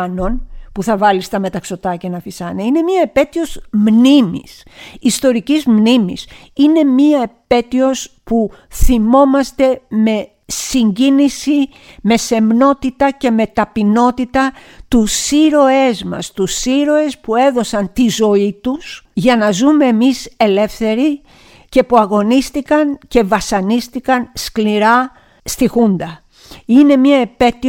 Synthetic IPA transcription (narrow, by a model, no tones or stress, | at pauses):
no̞npuθɐvɐlist̪ɐme̞t̪ɐkso̞t̪ɐcenɐfisɐneine̞miɐepe̞t̪io̞zmnimḭs | ist̪o̞ɾicizmnimḭs | ine̞miɐepe̞t̪io̞spu | θimo̞mɐst̪e̞me̞ | siɲɟinisime̞se̞mno̞t̪it̪ɐce̞me̞t̪ɐpino̞t̪it̪ɐt̪usiɾo̞e̞zmɐ̰st̪usiɾo̞e̞spue̞ðo̞sɐnt̪izo̞it̪usʝɐnɐzume̞ːmise̞le̞fθe̞ɾi | ce̞puɐɣo̞nist̪ikɐnce̞vɐsɐnist̪ikɐnskliɾɐ | st̪ixund̪ɐ | ine̞mɲɐepe̞t̪i